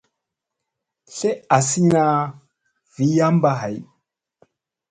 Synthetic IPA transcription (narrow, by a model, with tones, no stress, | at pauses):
ɬe˦a˨si˦na˦ | vi˨˦ja˦m˦ba˦ɦa˨j